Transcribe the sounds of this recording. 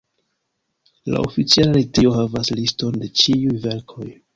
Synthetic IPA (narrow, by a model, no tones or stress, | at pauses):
la̰o̰fit͡sialaɾitio̞ɦavaslisto̞nde̞t͡ʃiujve̞ɾkʰo̞j